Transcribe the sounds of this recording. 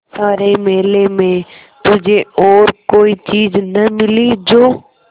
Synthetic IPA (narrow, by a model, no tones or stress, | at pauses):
saːɾemeːlemẽ | t̪ʊd͡ʒʱeɔːɾkoːit͡ʃiːznəmɪlid͡ʒoː